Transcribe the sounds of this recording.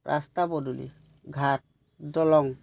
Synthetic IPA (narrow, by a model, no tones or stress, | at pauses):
ɾʔa̰st̪abɔdulḭ | ɡʱat̚ | dɔlɔŋ